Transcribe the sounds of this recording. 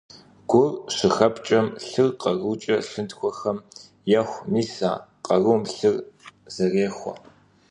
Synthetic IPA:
ɡ̥ʷʊrʂɪxɐpt͡ʃʼɐmɬɨrqɐruːt͡ʃʼɐɬɨntxʷɔxɐm | jɐxʷmiːsa̰ːqɐruːmɬɨrz̥ɐreːxʷɔ̰

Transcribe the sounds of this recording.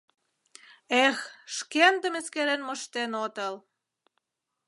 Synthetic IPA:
exʃkend̪əmeskeɾenməʃt̪enot̪əl

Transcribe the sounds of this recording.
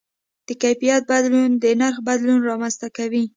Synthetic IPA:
d̪̥əkajfijat̪̚bad̪lund̪ənaɾxbad̪lunɾɑmanzt̪akawi

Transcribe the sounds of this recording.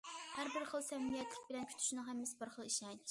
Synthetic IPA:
hæɾbɪɾχəlˠsɛmːijɛt̪ʰlɪkʲbɪlɛnkʲʰy̥t̪ʰy̥ʃnɨŋɦæmːɪsɪbɨɾχəlˠiʃɛŋ

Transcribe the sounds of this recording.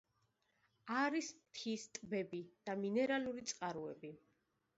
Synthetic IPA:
aɾismt̪ʰist̪ʼbɛbid̪̥aminɛɾaluɾit̪sʼqʼaɾuɛbi

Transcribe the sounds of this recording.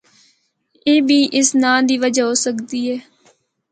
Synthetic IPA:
eːbiːʔɪsnãːd̪iːʋəd͡ʒaːɦoːsəkd̪iːɦɛː

